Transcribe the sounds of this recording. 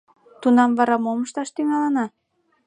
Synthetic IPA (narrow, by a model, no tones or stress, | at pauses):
t̪unɑmvɑɾɑmoməʃt̪ɑʃt̪yŋɑlənɑ